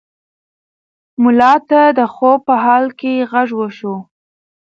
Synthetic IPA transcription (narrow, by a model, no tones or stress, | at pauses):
mʊlɑt̪ad̪əxopəɦɑlkeɣaʐwəʃo